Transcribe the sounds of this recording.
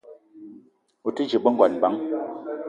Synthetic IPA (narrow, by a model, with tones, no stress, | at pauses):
o˨ti˦d͡ʒi˨ɓə˦ŋ˦ɡwa˨n˨ba˨˦ŋ